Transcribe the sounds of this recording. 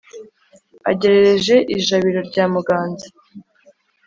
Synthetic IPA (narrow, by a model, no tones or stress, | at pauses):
a̰ɟe̞ɾe̞ɾe̞ʒe̞ʔiʒaβiɾo̞ɾɟaːmuɡaːnzḁ